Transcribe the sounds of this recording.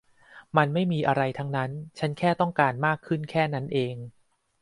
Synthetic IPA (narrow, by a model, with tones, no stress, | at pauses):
ma˧nma˥˩jmiː˧ʔa˧ɾa˧jt̪ʰa˦˥ŋna˦˥nt͡ɕʰa˦˥nkʰɛː˥˩t̪ɔ˥˩ŋkaː˧nmaː˥˩kʰːɯ˥˩nkʰɛː˥˩na˦˥nʔeː˧ŋ